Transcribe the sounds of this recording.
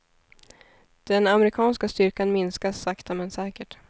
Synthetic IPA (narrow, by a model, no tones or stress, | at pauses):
d̪̥ɛnamɛɾɪkʰɑːnskast̪ʏɾkanmɪnskasːakt̪amɛnsɛːkəʈ